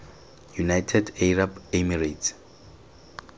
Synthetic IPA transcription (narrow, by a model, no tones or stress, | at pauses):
junajtʰɛdɛɹabɛmiratʰ